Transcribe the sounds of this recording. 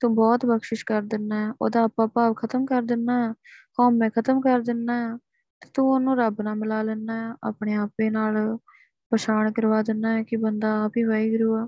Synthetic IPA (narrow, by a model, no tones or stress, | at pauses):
t̪ũːbɔːt̪bəkʃɪʃkəɾd̪ɪnːaːɦɛːʔo̰ːd̪aːpãːpaːpkʰət̪əmkəɾd̪ɪnːaːɦaːhɔːmɛ̃ːkʰət̪əmkəɾd̪ɪnːaːjaː | t̪eːt̪ũːoːnũːɾəbnaːmɪlaːlɛːnːaːaːʔa̰ːpɳ̃eːaːpːeːnaːl | pəʃaːɳkəɾʋaːd̪ɪnːaːɦɛːkɪbənd̪aːaːpiːʋaːiːɡɾuːaː